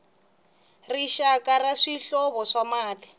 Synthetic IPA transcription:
riʃakaraʂiɬɔβɔʂamaːli

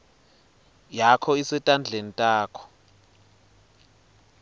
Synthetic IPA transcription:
jakʰɔisɛtʼand͡ɮʱenitʼaːkʰɔ̥

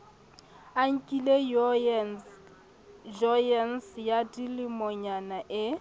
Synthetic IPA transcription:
aŋ̩kʼile | d͡ʒɔjɛnsjadilɪmɔɲanaʔɪ

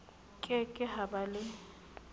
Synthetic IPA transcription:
kʼɪkʼɪhabalɪ

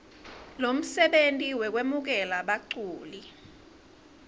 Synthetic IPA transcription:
lom̩sɛɓentʼiwɛk̬wemuk̬ɛlaɓaǀuːli

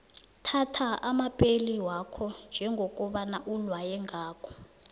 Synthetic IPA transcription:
tʰatʰaamapʼeliwakʰɔnd͡ʒʱɛŋɡʱok̬ʼuɓanaʔulwajɛŋaːkʰɔ̥

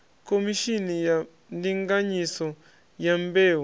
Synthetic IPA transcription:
komiʃinija | ndiŋɡaɲisɔ | jambeːw

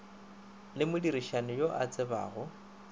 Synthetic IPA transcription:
lɪmʊdiɾiʃanɪjoʔa̰t͡sʼɪba̰ːɣʊ

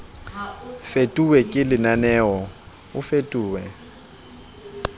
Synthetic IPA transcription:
fetʼuwɛkʼɪlɪnanɛːɔ | ʊfetʼuːwɛ

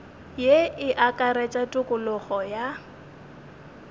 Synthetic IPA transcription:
jeʔɪʔakʼaɾet͡ʃʼatʼʊkʼʊlʊχɔja

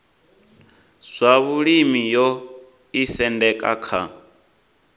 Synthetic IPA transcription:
z̥ʷaβuɺimijɔ | isɛndɛkʼa̰kʰa̰

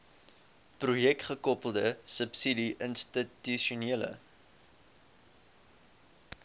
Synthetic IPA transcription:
prujɛk̚tχəkɔpəlˠdəsəpsidiʔənstityʃuniələ̰

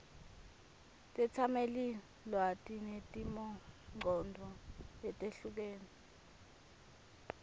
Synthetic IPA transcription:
tʼɛt͡sʰameli | lwatʼinetʼimɔŋ͡ǃʱɔndʱɔɛtʼeɬuk̬eːni

